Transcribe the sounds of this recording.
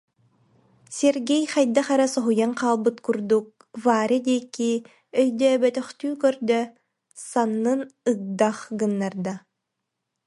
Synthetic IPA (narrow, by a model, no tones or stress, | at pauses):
sɛɾɡɛjχajd̪aχaɾasɔɦujanqaːlˠbɯt̪kuɾd̪uk̚ | vaːɾid̪iɛkːi | œjd̪œːbɛt̪œχt̪yːkœɾd̪œ | sanːɯnɯk̚d̪aχɡɯnːaɾd̪a